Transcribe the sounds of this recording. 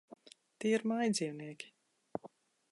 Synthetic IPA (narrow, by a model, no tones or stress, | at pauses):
t̪iɛiɾmajd̪zʲiːwniɛkʲi̥